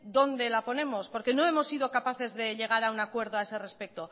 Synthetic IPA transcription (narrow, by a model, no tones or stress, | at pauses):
d̪o̞nd̪e̞lapo̞ne̞mo̞spo̞ɾke̞no̞e̞mo̞sːiðo̞kapaθe̞zðe̞ʎe̞ɣ̞aɾaunakwe̞ɾðoaese̞re̞spe̞k̚t̪o̞